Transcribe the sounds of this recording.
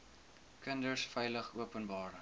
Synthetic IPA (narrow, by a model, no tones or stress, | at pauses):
kəndərsfɛjləχuəpənbɑːr